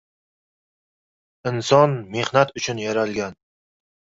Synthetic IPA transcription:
ɪnsɒnme̞hnat̪ʊt͡ʃʰʊnjaɾalɡʲan

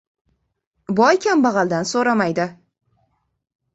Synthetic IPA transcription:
bɒjkʲambɑʁɑld̪ansoɾamajd̪ɪ

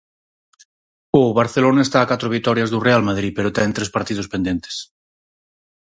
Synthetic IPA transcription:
oβaɾθelonaest̪aːkat̪ɾoβ̞ikt̪ɔɾjazðurealmaðɾipeɾot̪ɛnt̪ɾespaɾt̪ið̞ospend̪jent̪e̥s

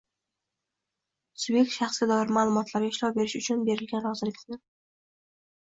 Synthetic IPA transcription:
sʊbjek̚ʲt̪ʃɑχsɡʲad̪ɒɪɾɪmalˠʊmɒt̪laɾʲaɪʃlɒwbe̞ɾɪʃʊt͡ʃʰʊnbe̞ɾɪlɡʲanɾɒzɪlɪk̪ʲnɪ

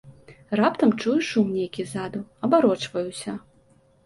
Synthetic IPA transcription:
rapt̪ɐmt͡ʂujuʂumnʲejkʲizad̪uɐbaɾɔt͡ʂvɐjusʲɐ

